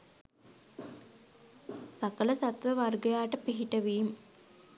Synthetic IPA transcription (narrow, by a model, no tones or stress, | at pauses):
sakələsat̪ʋəʋarɡəjaːʈəpiɦiʈəʋiːm